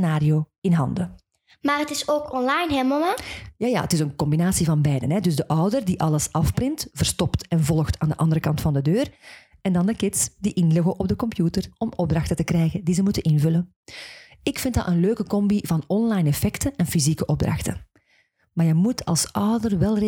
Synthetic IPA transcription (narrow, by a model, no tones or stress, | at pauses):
naːɾioːɪnɦɑ̰ndə | maːɾətɪsoːkɔnlɑjnɦɛməmajaːja̰ːə̰tɪsənkɔmbinaːsivɑnbɛjdənɦɛdɵzdəʔɑwdərdiʔɑləsɑfbrɪntv̥ərstɔptɛnvɔlˠxtʰaːndəʔɑndəɾəkɑntfɑndədøːr | ɛndɑndəkɪtsd̥iʔɪnlɪɣəʔɔb̚dəkɔmpjutərɔmɔb̚drɑxtətəkrɛjɣədizəmutənʔɪnvɵlən | ɪkfɪnt̚dɑ̰tənløːkəkɔmbivɑnɔnlɑjnɛfɛktəʔɛnfizikəʔɔb̚drɑ̰xtə̰ | maːrjəmutʰɑ̰lˠsʔɑwdərʋɛlˠ